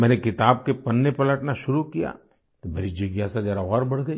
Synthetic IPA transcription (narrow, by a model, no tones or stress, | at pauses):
mɛ̃ːnekɪt̪aːb̚kepɐnːepɐləʈnaʃʊɾukija̰ | t̪obʱeːɾid͡ʒɐɡjasad͡ʒɐɾaɔːɾbɐɽ̤ɡɐi